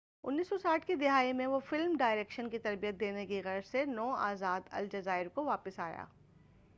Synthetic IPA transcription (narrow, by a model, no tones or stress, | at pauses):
ʊ̰nːiːsɔsaːʈʰkid̪ɪɦaːimẽʋofɪlmɖaːɪɾeːkʃənkit̪ɐɾbijət̪̚d̪eːnekiɣɛəɾsenɔːa̰ːzaːd̪ɐ̰ld͡ʒɐzaːɪɾkoʋaːpəsaːja̰ː